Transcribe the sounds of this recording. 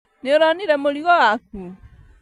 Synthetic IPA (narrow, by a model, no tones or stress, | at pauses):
neoɾaniɾɛmoɾiɣɔwak̚u